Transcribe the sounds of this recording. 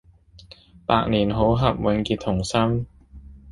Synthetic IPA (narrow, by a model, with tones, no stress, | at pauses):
paː˧k̚niː˨˩nɦo˨˥wɦɐ˨p̚wɛ˨˧ŋkiː˧t̪ʰːʊ˨˩ŋsɐ˥m